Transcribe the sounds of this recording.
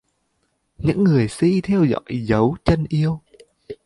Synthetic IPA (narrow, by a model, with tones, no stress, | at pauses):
ɲɨ̰˧˥ŋːɨ˨˩əjsḭ˧˥t̪ʰɛ˧wzɔ̰˧˨jzə˨˦wt͡ɕə˧nʔi˧əw